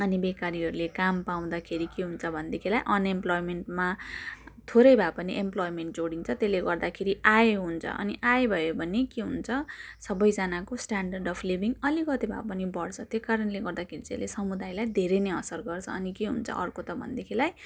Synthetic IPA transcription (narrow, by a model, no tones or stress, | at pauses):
ʌnibekaɾiɦʌɾulekampaw̃d̪akʰeɾikeɦunt͡sʰʌbʱʌnd̪ekʰilajʔʌnemplojmenʈma | t̪ʰoɾʌjbʱapʌniʔemplojmeɳʈ̚d͡zoɽint͡sʰʌt̪eleɡʌrd̪akʰeɾiʔajeɦunt͡sʰʌ̰ʔʌ̰niʔajebʱʌjobʱʌnekeɦunt͡sʰʌsʌbʌjd͡zanakosʈaɳɖʌrɖʌpʰlibiŋʌlikʌt̪ebʱa̰pʌnibʌɽt͡sʰʌt̪jekaɾʌnleɡʌrd̪akʰeɾit͡sḛlesʌmud̪ajlajd̪ʱeɾʌjneʌsʌrɡʌrt͡sʰʌ̰ʌnikeɦṵnt͡sʰʌ̰ʔʌrkot̪ʌbʱʌ̰nd̪ekʰilaj